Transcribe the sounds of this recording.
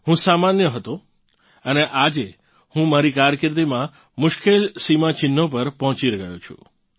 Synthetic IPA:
ɦũsamanjəɦət̪o | əneʔad͡ʒe | hũmaɾikaɾjəkɪɾt̪̬imã | mʊʃkelsimãt͡ʃɪnːop̬əɾpɔɦɔ̃t͡ʃiɾɡəjot͡ʃʰṵ̃

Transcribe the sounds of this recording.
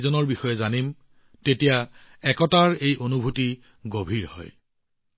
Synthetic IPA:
zɔnɔɹbixɔjɛzanim | tetija | ɛkɔtaɹejʔonubʱuti | ɡobʱiɹhɔ̰j

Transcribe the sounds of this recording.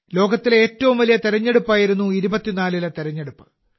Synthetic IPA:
lo̞ːɡɐt̪ːile̞ːtːɐʋumʋɐlijɐt̪eɾɐɲːe̞ɽupːaːjiɾunːuiɾubɐt̪ːinaːlilɐt̪eɾɐɲːe̞ɽupːɨ̥

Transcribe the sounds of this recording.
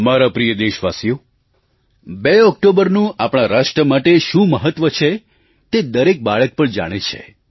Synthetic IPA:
əmaɾapɾijəd̪eʃʋasjo | beɔk̚ʈobəɾnũapɽ̃ãɾaʃʈɾəmaʈeʃũməɦət̪ːʋət͡ʃʰe | t̪ed̪əɾek̚baɭək̚pəɳd͡ʒa̰ɽ̃et͡ʃʰḛ

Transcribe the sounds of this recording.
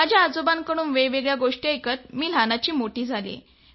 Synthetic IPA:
ad͡ʑʱjaːd͡zobankəɽ̃uːnʋeʋeɡɭjaɡoʂʈiekət̪̚miːl̤anat͡ɕiːmoʈiːd͡zʱalḛ

